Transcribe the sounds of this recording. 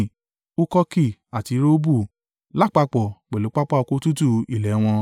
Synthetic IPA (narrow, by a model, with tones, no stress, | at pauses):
u˦kɔ˦ki˦˨a˨ti˧ɾo˦bu˦˨ | la˦˨k͡pa˧k͡pɔ˨k͡pɛ˨lu˨˦k͡pa˦k͡pa˦ɔ˧ko˦tu˦tu˦˧i˨lɛ˨˦w̃ɔ̃˧